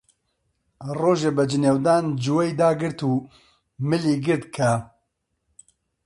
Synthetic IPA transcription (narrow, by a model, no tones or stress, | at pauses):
roːʒebɐd͡ʒɪneːwd̪aːnd͡ʒuwɛjd̪aːɡɨɾt̪uː | mɨliːɡɨɾt̪kʰɐ